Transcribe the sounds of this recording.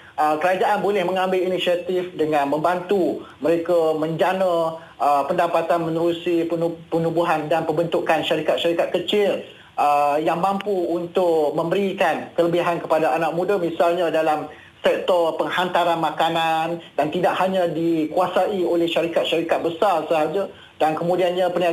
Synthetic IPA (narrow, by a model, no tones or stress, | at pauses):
əkəɾad͡ʒaʔanbolɛhmə̃ŋãmbɪlinisiat̪ifdəŋãnmə̃mbant̪uməɾekamə̃ɲd͡ʒana | əpəndapat̪anmənəɾusiənupənubuɦandanpəmbənt̪ukanʃaɾikat̪̚ʃaɾikat̪̚kət͡ʃɪl | əjaŋmampuːnt̪ʊkmə̃mbəɾikankələbiɦankəpadaʔanak̚mũdamisalɲadalam | sɛk̚t̪ɔrpəŋhant̪aɾanmakanandant̪idaʔhaɲãdikuasaʔiolɛhʃaɾikat̪̚ʃaɾikat̪̚bəsarsəɦad͡ʒa | d̥ankəmũdianɲãpəna